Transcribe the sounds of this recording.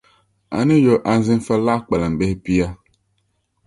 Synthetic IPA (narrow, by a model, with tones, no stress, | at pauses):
a̰˨ni˦jo˨ʔa˨˦zɪ˦n̩˦fa˦la˦k͡pɛ˨la˨m̩˨be˦pi˦ja˦